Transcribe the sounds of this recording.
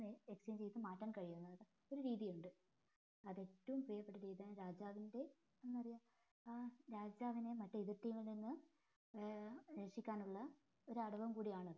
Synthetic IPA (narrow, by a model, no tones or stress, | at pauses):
ekst͡ɕeːnt͡ɕejt̪ːɨmaːtːaːɳkɐɻijunːɐðɐðɨ | o̞ɾuɾiːðijuɳɖɨ | ɐðe̞tːɐʋumpriːjɐpːe̞ʈːɐɾiːðijaːɳɾaːd͡ʑaːʋinde̞ | enːɐrijaː | ɾaːd͡ʑaːʋine̞mɐtːeiðirtːimːiɭninːɨ | ɾeʂikʲːaːnuɭːɐ | o̞ɾuɐɽɐʋɐmkuːɽijaːɳɐðɨ